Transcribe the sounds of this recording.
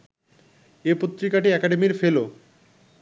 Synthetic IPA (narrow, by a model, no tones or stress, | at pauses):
epot̪ːɾikaʈiɛkaɖemiɾfelo